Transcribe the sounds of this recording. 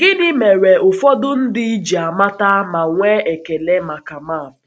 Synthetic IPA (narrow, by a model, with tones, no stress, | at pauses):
ɡ̥ɪ˦nɪ˦me˨ɾe˨ʊ˨fɔ˦dʊ˦n̩˦dɪ˦i˦d͡ʒi˨a˨ma˦ta˦ma˨ŋʷe˦e˨ke˨le˦ma˨ka˨maː˦˨m˨